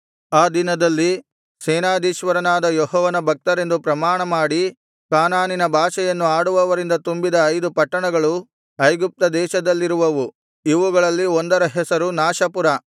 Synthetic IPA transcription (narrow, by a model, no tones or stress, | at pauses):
aːd̪inɐd̪ɐlːi | sɛːnaːd̪iːʃʋɐɾɐnaːd̪ɐjɔɦɔːʋɐnɐbʱɐk̚t̪ɐɾe̞nd̪upɾɐmaːɳɐmaːɽi | kaːnaːninɐbʱaːʃɐjɐnːuaːɽuʋɐʋɐɾind̪ɐt̪umbid̪ɐːjd̪upɐʈːɐɳɐɡɐɭu | ɐjɡup̚t̪ɐd̪ɛːʃɐd̪ɐlːiɾuʋɐʋu | iʋuɡɐɭɐlːiond̪ɐɾɐɦɛsɐɾunaːʃɐpuɾɐ